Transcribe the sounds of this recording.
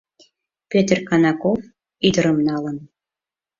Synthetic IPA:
pʲet̪rkɑnɑkof | id̪ə̆ɾəmnɑlə̆n

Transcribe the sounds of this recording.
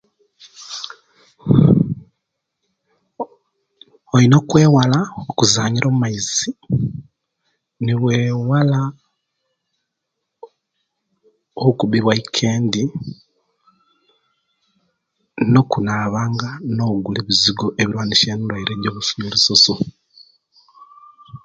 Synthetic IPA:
oino̞kwe̞ːwalaokuzaːɲiɾʔoːmumaizi | niweːwala | oukuβiβwaikʰeːndi | no̞kunaːβaːŋɡano̞uɡuliβiziɡo̞ʔeβiɾwaːniʃeːnuɾwaiɾe̞ːɲɟoβufumiɾisoso

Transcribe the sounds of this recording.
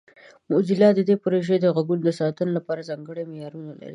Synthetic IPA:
mʊzilɑd̪əd̪epoɾoʒed̪əɣaɡuld̪əsɑt̪ənolapɑɾazɑŋɡəɽemejɑɾunala̰ɾḭ

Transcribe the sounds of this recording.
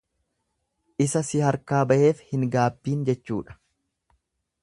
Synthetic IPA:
ʔɪsɐsɪhɐɾkaːbɐʔe̞ːfhɪŋɡaːbːiːnd͡ʒɛt͡ʃːuːᶑɐ̥

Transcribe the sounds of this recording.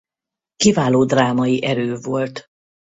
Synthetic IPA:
kivaːloːd̪raːmɒiʔɛɾøːvo̞lt̪

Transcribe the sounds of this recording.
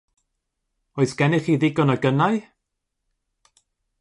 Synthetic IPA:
ɔɨsɡ̥ɛnɪχiːðɪɡɔnəɡənaɨ

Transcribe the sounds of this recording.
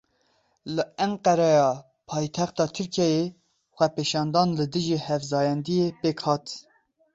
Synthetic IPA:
lɨɛŋqɛɾɛjɑː | pʰɑːjt̪ʰɛxt̪ɑːt̪ʰɨɾkʰɛje | xʷɛpeːʃɑːnd̪ɑːnlɨd̪ɨʒihɛvzɑːjɛnd̪ijepeːkʰhɑːt̪

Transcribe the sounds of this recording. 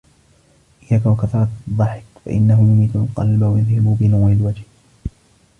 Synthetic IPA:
ʔɪjːaːkawakaθɑɾˤɑt̪d̪ˤːɑħɪ̥kfa̰ʔɪ̰nːaɦʊjʊmiːt̪alqɑ̰lbawajɪðhɪbubɪnaːʕɪlwad͡ʒh

